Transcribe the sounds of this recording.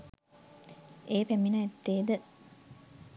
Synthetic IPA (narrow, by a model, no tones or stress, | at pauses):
eːpæminɐet̪ːeːd̪ə